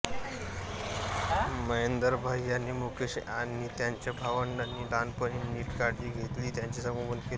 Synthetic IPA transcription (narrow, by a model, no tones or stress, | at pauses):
məjend̪əɾbʱaijanːiːmukeɕanːiːt̪jaɲt͡ɕabʱaʋənanːiːd̪anpəɽiːniːʈkaɽd͡ʑiːɡʱet̪liːt̪jaɲt͡ɕisãŋɡũɡənkel